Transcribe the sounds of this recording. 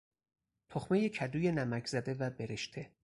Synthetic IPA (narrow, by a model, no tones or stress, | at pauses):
t̪ʰoxme̞jecʰæd̪uːje̞næmækʰz̥æd̪e̞væbeɾeʃt̪ʰe